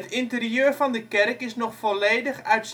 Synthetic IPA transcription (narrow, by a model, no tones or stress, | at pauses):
ətɪntəriøːɹvɑndəkɛrkɪsnɔχfɔleːdəχœɥts